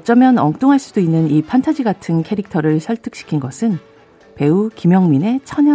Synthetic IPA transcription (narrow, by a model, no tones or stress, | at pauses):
ʌt͡ɕ͈ʌmjʌnʌŋ̚t͈oŋɦaɭs͈udoinːɯnipʰantʰad͡ʑiɡatʰɯnkʰe̞ɾik̚tʰʌɾɯɭsʰʌɭtʰɯk̚ɕ͈i̥kʰinɡʌsʰɯn | pe̞ukimjʌŋmine̞t͡ɕʰʌɲjʌ